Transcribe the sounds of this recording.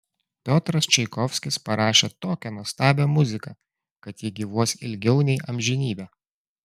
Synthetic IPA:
pʲoːt̪ɾɐst͡ʃʲɛɪkɔfʲsʲkʲɪspɐɾɑːʃʲeːt̪oːkʲɛnuɔst̪ɑːbʲɛmʊzʲɪkɐ | kɐt̪jɪɡʲiʋuɔsʲɪlʲɡʲɛʊnʲɛɪʔɐmʲʒʲɪnʲiːbʲæː

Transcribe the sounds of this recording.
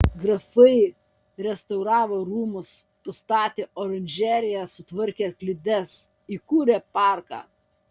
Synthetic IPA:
ɡɾɐfɐɪ | ɾʲɛst̪ɐʊɾɑːʋoːɾuːmʊspɐst̪ɑːt̪ʲeːʔoːɾɐnʲd͡ʒʲæːɾʲɪjæsʊt̪ʋɐɾʲkʲeːklʲɪd̪ʲɛs | iːkuːɾʲepɑˑɾkɑ̰ː

